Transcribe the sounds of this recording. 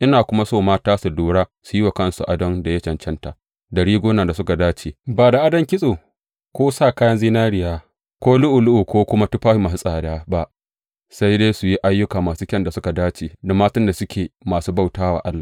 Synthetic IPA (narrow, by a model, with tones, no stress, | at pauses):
ʔɪ˦naː˨kʷʊ˦ma˦soː˦˨maː˦taː˦su˨duː˦ɽaː˦su˨ji˦wa˨kɐ˦˨nsu˨ʔa˨dɐ˦nda˨jɐ˦t͡ʃɛ˨nt͡ʃɛ˦nta̰˨ | dɐ˨ɽiː˦ɡʷoː˦naː˨da˨sʊ˦ka˨daː˦t͡ʃeː˨baː˨da˨ʔa˦dɐ˦ŋkʲɪ˦sʼoː˨ | kʷoː˦saː˦˨kaː˦jɐ˦nziː˦naː˦ɽɪ˨jaː˦ | kʷoː˦lʊ˦ʔu˨lʊ˦ʔu˨kʷoː˦kʷʊ˦ma˦tu˦ɸaː˦ɸi˦ma˨u˦sʼaː˨daː˦ba˦ʔ | sa˦jdeː˦su˨ji˦ʔa˦jːʊ˦kaː˨maː˨suː˦kʲɛ˦nda˨sʊ˦ka˨daː˦t͡ʃeː˨da˨maː˦tɐ˦nda˨sʊ˦kʲeː˨maː˨suː˦ba˦˨wtaː˦wa̰ː˨ʔa˦lːaː˨